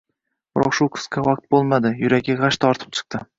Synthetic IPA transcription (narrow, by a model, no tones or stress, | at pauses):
b̥ɪɾɒ̰qʃʊqʰɨ̥skʰʲawaq̚t̪̚bolˠmad̪ɪjʊɾaɡʲaʁaʃt̪ʰɒɾt̪ʰɪ̥p̚t͡ʃʰɨ̥q̚t̪ʰɪ